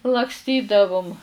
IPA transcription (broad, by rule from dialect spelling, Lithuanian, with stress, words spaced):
lˠɐkˈsʲtʲiːdɐʋʊm